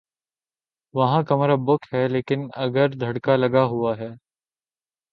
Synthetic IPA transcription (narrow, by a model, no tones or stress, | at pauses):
ʋɐɦãkɐmɾabʊkɦɛːleːkɪnɐ̰ɡəɾd̪ʱɐɽkalɐɡaɦuaɦɛː